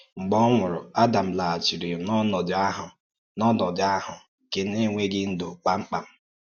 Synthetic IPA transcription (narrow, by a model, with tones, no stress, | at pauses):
ŋ͡m̩˨ɡ͡bɔ˦ŋʷʊ˨ɾʊ̰˨a˦da˨m̩˨la˨a˨t͡ʃi˨ɾi˨nɔ˦nɔ˨dɪ˨˦a˦ɦʊ˨ | nɔ˦dɔ˨dɪ˨˦a˦ɦʊ˨ | ke˦ne˦ŋʷe˦ɡɪ˦n̩˦do˨k͡pa˦ŋ͡m̩˦k͡pa˨m̩˦